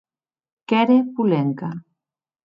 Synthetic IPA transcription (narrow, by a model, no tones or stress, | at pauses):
keɾepuleŋka